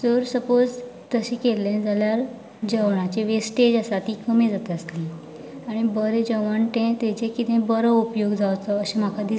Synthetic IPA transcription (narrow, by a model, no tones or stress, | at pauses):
səɾsəpod͡zt̪əɕĩkelːẽd͡zaljaɾ | d͡ʑəʋɳat͡ɕeʋesʈed͡ʑasat̪ikəmid͡zat̪eəst̪i | aɽ̃ibəɾed͡ʑəʋəɳʈẽt̪et͡ɕẽkit̪ẽbəɾəupjoɡd͡zaʋt͡səəɕem̤akʰad̪i